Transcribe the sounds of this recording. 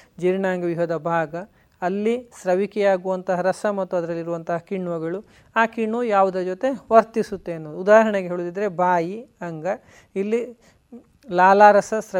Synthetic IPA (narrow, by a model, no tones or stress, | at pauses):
d͡ʒiɾɳaːŋɡɐʋiɦɐd̪ɐbʱaːɡɐː | lːisɾɐʋikɛjaːɡuʋɐnt̪ɐɦɐɾɐsɐmɐt̪ːuɐd̪ɐɾɐlːiɾuʋɐnt̪ɐɦɐkiɳːuʋɐɡɐɭu | aːkiɳːʋɐjaːʋud̪ɐd͡ʒot̪e̞ʋɐɾt̪isut̪ːeɐnːoːd̪uud̪aːɦɐɾɐɳeɡeɦeːɭud̪id̪ɐɾe̞baːjiɐŋɡɐ | ilːi | laːlaːɾɐsɐsɾɐ